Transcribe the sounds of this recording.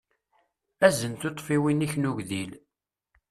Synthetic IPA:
æzənt̪ot̪ˤfiwiniçnuʝðil

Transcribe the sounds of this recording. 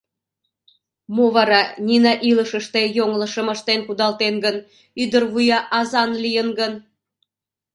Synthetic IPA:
moβɑɾɑnʲinɑʔiləʃəʃt̪ejoŋlə̆ʃəmə̆ʃt̪enkud̪ɑlt̪enɡən | yd̪ərβujɑʔɑzɑnlijənɡən

